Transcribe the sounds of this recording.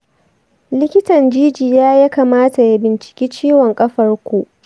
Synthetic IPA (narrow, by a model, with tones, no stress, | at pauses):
lɪ˦kʲɪ˦tɐ˨nd͡ʒiː˦d͡ʒiː˨jaː˦ja˦kaː˨maː˦ta˨ja˦bɪ˨nt͡ʃɪ̥˨kʲiː˦t͡ʃiː˦wɔ˨ŋkʼɐ˦ɸɐ˦rkʷuː˦ʔ